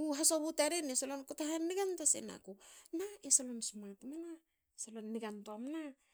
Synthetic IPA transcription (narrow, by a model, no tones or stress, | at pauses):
uɦasoβutaɾenesalonkutaɦanːiɡantasḛna̰kunaesalonsumatmana | salonːiɡantoamna